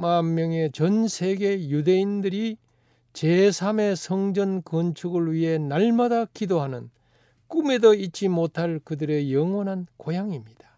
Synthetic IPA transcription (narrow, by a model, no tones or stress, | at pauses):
mamːjʌŋe̞t͡ɕʌnsʰe̞ɡe̞jude̞indɯɾi | t͡ɕesʰame̞sʰʌŋd͡ʑʌnkʌnt͡ɕʰuɡɯɭɥiɦe̞naɭmadakidoɦanɯn | k͈ume̞dʌit̚t͡ɕ͈imotʰaɭkɯdɯɾe̞jʌŋwʌnɦankojaŋimɲid̥ḁ